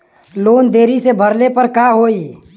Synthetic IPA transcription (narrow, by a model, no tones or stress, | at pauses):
loːnd̪eːɾisebʱəɾlepəɾkaɦoːi